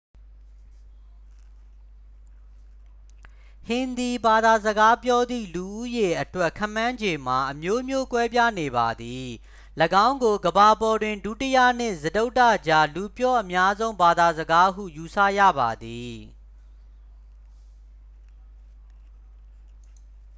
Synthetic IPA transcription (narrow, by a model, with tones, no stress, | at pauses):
hɪ̃˨nd̪i˨ba˨d̪a˨zəɡa˦pjɔ˦d̪ðḭ˦˨lu˨ʔu˦je˨ʔətwɛ˦ʔkʰã˦˨mã˦ɲd͡ʑe˨m̥a˨ʔəmjo˦mjo˦kwɛ˦p̬ja˦˨ne˨ba̰˨d̪i˨ | ləɡã˦ʊ̃ŋɡo˨ɡəba˨bɔ˨dwɪ̃˨ndu˦˨tə˦ja̰˦˨n̥ɪ̃˦˨zədo˦ʊtːa̰˦˨d͡ʑa˦lu˨pjɔ˦ʔəmja˦zõ˦ʊ̃mba˨d̪a˨zəɡa˦ɦṵ˦˨ju˨sʰä̰˦˨ja̰˦˨ba̰˨d̪i˨